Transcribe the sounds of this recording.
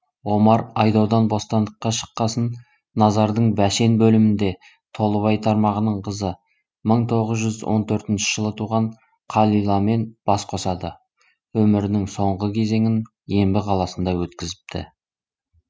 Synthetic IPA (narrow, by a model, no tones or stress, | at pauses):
wo̞mɑɾɑjd̪ɑwd̪ɑnbo̞st̪ɑnd̪əqːɑʃə̥qːɑsənː | ɑzɑɾd̪əɴbæʃe̞nbɵlɪmɪnd̪e̞ | t̪ʰo̞lˠəvɑjt̪ʰɑɾmɑʁənəɴqʰəzə | məɴt̪ʰo̞ʁəzʒʏzwo̞̰nt̪ʰɵɾt̪ɪnʃɪ̥ʒ̥əlˠət̪ʰuʁɑɴ | qʰɑlˠijlˠɑme̞nb̥ɑsqʰo̞sɑd̪ə | wɵmɪɾɪnɪŋso̞ɴʁəkʲʰe̞ze̞ŋɪn | je̞mbɪqʰɑlˠɑsənd̪ɑwɵt̪kʲɪzɪp̚t̪ʰɪ̰